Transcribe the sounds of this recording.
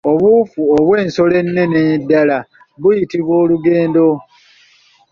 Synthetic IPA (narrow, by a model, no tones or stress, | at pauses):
o̞βufuoβwe̞ːnso̞le̞nːe̞neidːala | βujitiβwo̞ːluɡe̞ːndo̞